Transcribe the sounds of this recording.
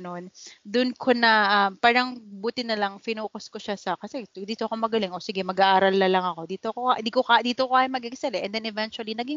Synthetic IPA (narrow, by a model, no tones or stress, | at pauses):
no̞nd̪ʊnkʰo̞nɐʔɐmpaːɾɐŋbuːt̪ɪnɐlɐŋpɪnuːkosko̞ʃasɐkɐsɛd̪iːt̪oɐko̞mɐɡɐlɪŋʔo̞sɪɡɛmɐɡaʔaːɾɐlːɐlɐŋɐko̞d̪iːt̪okond̪ikokad̪iːt̪okokaːjmɐɡɪksɐlɛʔɛnd̪ɛnɛvɛnt͡ʃʊɐlinɐɡiŋ